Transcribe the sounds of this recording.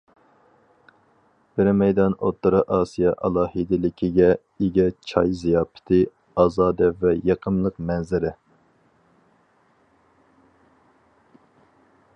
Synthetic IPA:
b̥ɪɾmɛjd̪ɑnot̪ʰːɨɾɨʔɑːsijɑʔɑlˠɑːhid̪ɪlɪkʲʰiɡʲɛ | eɡʲɛt͡ʃʰɑjzijɑːpʰɪ̥t̪ʰɪ | ɑːzɑːd̪ɛvɛjɑqʰəmlˠəqmɛnzɪɾɪ

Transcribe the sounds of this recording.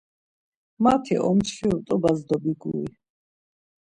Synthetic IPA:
mat̪ʰḭʔɔ̰msʃiut̪ʼɔbazd̪ɔbiɡui

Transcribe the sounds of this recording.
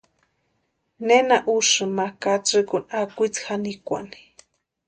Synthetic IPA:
nenaʔuʂɨmakat͡sɨkunakʷit͡sxanikʷa̰ni̥

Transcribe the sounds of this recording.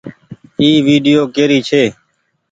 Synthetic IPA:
iːʋiːɖɪjoːkeːɾiːt͡ʃʰeː

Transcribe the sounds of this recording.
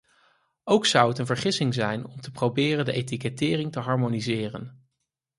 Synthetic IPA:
owksʌwətənvəɹχɪsɪŋzɛjnɔmtəprowbɪːrəndəʔejtikɛtɪːrɪŋtəɦɑɹmonizɪːrə̰n

